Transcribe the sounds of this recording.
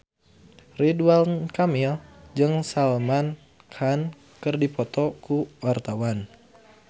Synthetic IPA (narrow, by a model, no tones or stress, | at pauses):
ridualnkamild͡ʒɨŋsalman | kʰan | kɨrdipɔt̪ɔkuwart̪awan